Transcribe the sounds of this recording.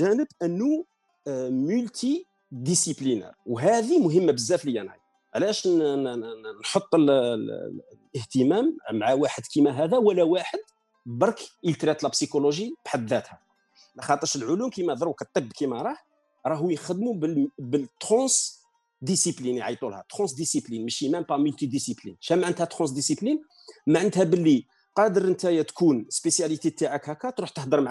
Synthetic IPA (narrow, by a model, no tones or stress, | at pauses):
ʒænəbʔənːu | mʊlt̪i | d̪isiplinɛ̰ɾwɦæd̪imʊɦəmːabəzːæfləjːænʕḭj | ʕlæʃn | nħot̪ˤːəl | əht̪əmæmmaʕawaħəd̪kimæɦæd̪æwəlæwaħəd̪ | bɑɾˤkʔəlt̪ɾæt̪lɑbsikoloʒib̥ħad̪ːæt̪hæ | lɑxɑt̪ˤəɾʃəlʕʊlumkimæd̪ˤɾukət̪ˤːəbːkimæɾˤɑħ | ɾˤɑɦujəxəd̪mubbəlt̪ːχɑ̃s | d̪isipliniʕijt̪ˤulhæ̰t̪χɑ̃sd̪isiplinməʃimæmpɑmylt̪id̪isiplḭnʃæmæʕənt̪hæt̪χɑ̃s̬d̪isiplin | mæʕənt̪hæbəlːi | qɑd̪əɾˤʔənt̪æjæt̪kunspesjælit̪et̪aʕakækæt̪ɾuħt̪əħd̪əɾˤmʕ